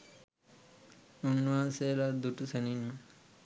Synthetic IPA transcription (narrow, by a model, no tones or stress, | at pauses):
unːuʋaːseːlaɾd̪uʈuseninːa